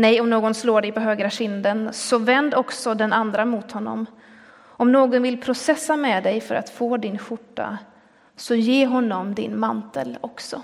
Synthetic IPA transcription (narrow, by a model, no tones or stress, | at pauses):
nɛjɔmnoːɡɔnsloːɖɛjpɔɦøːɡɾaɕɪnd̪ənsɔvɛnd̪ɔksɔd̪ɛnand̪ɾamʊt̪hɔnːɔ̰m | ɔmnoːɡɔnvɪlpʰɾʊsɛsːamɛːd̪ɛjfœ̰ɾʔa̰t̪foːd̪ɪnɧʊʈːa̰ | sɔjeːɦɔnːɔmd̪ɪ̰nmant̪əlɔksɔ